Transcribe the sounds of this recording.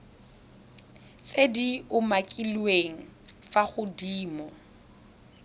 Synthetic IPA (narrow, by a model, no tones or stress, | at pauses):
t͡sediʊmakʼilweŋ̩faχʊdiːmɔ